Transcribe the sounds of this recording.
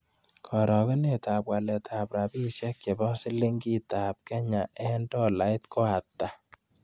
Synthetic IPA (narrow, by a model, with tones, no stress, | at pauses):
kʰɔ˨ɾɔ˨kɛ˦ne˦t̪a˨pwa˨lɛ˨tʰa˨pɾa˨bi˦sjɛ˦kje˨bɔ˦si˦le˦ŋɡi˦ta˨p̚kɛ˦ɲa˨ʔɛ˦ndɔ˦la˨ɪ˦t̪kʰo˦a˨tːa˨